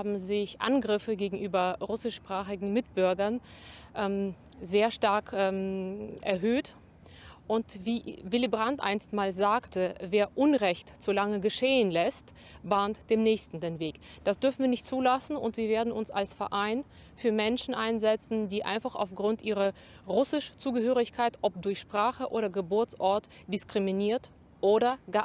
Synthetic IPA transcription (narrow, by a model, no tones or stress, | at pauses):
abm̩zɪçʔa̰nɡʁɪfəɡeːɡŋ̩ʔyːbɐʁʊsɪʃpʁ̥aːχɪɡŋ̩mɪtb̥ʏɐɡɐnʔɛm | zeːɐʃtaɐkʰːmʔɛ̰ɐɦøːt | ʔʊntviːvɪlibʁantʔa̰ɪnstmaːlzaːktʰəveːɐʔʊnʁɛçtz̥olaŋəɡəʃeːənlɛst | baːntd̥eːmnɛːçstn̩deːnveːkd̥asd̥ʏɐfn̩viːnɪçtt͡suːlasn̩ʊ̰ntv̥iːɐveːɐdn̩ʊnsalsfɛɐʔaɪn | fyːɐmɛnʃn̩ʔaɪnzɛt͡sn̩diːʔa̰ɪnfaχa̰ʊfɡ̥ʁʊntʔiːʁɐ | ʁʊsɪʃt͡suːɡəhøːʁɪçkʰaɪtʔɔp̚dʊɐçʃpʁ̥aːχəʔo̰ːɾɐɡəbʊɐt͡sʔɔɐt | d̥ɪskʁ̥iminiːɐt | ʔoːɾɐɡə